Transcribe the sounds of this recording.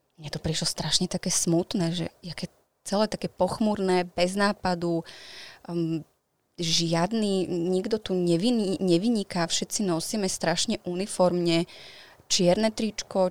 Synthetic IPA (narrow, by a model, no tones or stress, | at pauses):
mɲɛt̪upɾiʃlɔst̪ɾaʃɲɛt̪akɛːsmut̪nɛːʒɛ̰jakɛ | t͡sɛlɛːt̪akɛpɔxmuɾnɛːbɛznaːpad̪u | ʒɪad̪niɲiɡd̪ɔt̪uɲɛʋiniɲɛʋiɲikafʃɛt̪t͡sinɔsiːmɛst̪ɾaʃɲɛʔunifɔɾmɲɛ | t͡ʃɪɛɾnɛt̪ɾit͡ʃkɔ